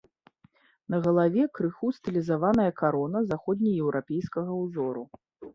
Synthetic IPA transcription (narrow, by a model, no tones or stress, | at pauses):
nɐɣɐlˠavʲɛkɾɨxust̪ɨlʲizavanɐjɐkaɾɔnɐzaxɔd̪ʲnʲɐjɛwɾapʲejskɐɣɐwzɔɾu